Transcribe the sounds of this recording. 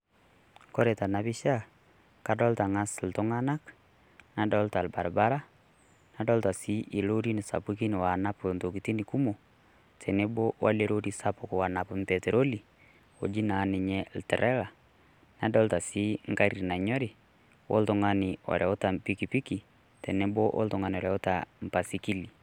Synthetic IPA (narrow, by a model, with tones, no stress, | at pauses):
kɔ˦ɾe˨ta˨na˨bi˦ʃa˦ | ka˨dɔ˦lta˨ŋa˦sltʊ˦ŋa˦na˦k | na˨dɔ˦lta˨lba˨ɾba˦ɾa˦ | na˦dɔ˦lta˨si˦ʔi˨lo˦ɾi˦nɪ˨sa̰˨pi˦ki˦nɪ˨wa˨na˦po˨nto˨ki˨ti˦ni˨ku˦mo˨ | tʰɛ˨ne˦bo˦wa̰˦le˦ɾo˦ɾi˦sa˦pʊ˨kwa˨na˨pʊ˦mtɛ˨te˨ɾo˦li˨ | o̰˨d͡ʒi˦na˨˦nɪ˨ɲɛ˦ltɛ˨ɾʔɛ˦la˨ | na˨dɔ˦lta˨si˦ŋka˦ɾi˨na˨ɲɔ˦ɾɪ˨ | wo̰˦ltʊ˨ŋa˦nɪ˨ɔ̰˨ɾʔɛ˨ʊ˦ta˨mpi˦ki˨pi˦ki˨ | tɛ˨ne˦bo˦ʔo̰˦ltʊ˨ŋa˦n˨ɔ˨ɾɛ˨ʊ˦ta̰˨m˨pa˨si˦ki˦li˨